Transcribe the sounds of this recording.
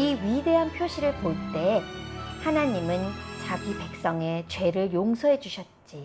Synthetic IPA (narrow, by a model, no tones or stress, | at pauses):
iɥide̞ɦanpʰjoɕʰiɾɯɭpoɭt͈e̞ | hanaɲimɯnt͡ɕaɡipe̞k̚s͈ʌŋe̞t͡ɕwe̞ɾɯɭjoŋsʰʌɦe̞d͡ʑuɕʰʌt̚t͡ɕ͈i